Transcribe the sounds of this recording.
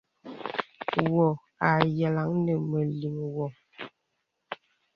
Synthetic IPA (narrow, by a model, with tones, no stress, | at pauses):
wɔ˨ | a˨jɛ˨la˨˦ŋnə˨mə˨li˨ŋwɔ˨